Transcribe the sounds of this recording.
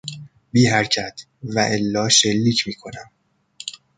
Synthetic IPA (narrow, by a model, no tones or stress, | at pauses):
biːɦæɾcʰæt̪ʰ | væʔelːɒːʃe̞lːiːcʰmiːkʰo̞næm